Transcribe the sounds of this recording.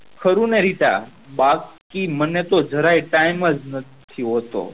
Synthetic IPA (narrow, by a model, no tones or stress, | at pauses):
kʰəɾũneɾit̪a̰ | bak | imənːet̪od͡ʒʱəɾajʈajməd͡ʒnət̪ʰiɦot̪o̰